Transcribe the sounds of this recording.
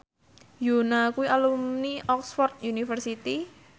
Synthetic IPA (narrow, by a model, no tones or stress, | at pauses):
jonakuwiʔalumniɔksfɔrt̪̚junifərsit̪i